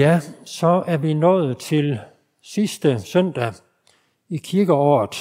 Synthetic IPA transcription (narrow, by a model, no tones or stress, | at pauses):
æsɒ̽æɐʋinɔ̰ːð̩ˠt͡sʰe̝l | sisd̥əsœn̰d̥æ | ikʰiɐɡ̥əɒ̰ːð̩ˠ